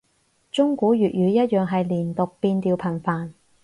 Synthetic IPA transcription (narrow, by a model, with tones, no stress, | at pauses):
t͡ʃʊ˥ŋkuː˨˥ɥyː˨t̚jyː˨˧jɐ˥t̚jœː˨˩ŋɦɐ˨jliː˨˩nt̪ʊ˨k̚piː˧nt̪iː˧wpʰɐ˨˩nfaː˨n